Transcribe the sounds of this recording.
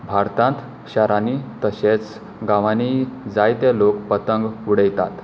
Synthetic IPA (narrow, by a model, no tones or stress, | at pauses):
bʱaɾt̪ãnt̪ | ɕaɾanit̪əɕet͡s | ɡaʋanid͡zajt̪elokpət̪əŋɡuɽəjt̪at̪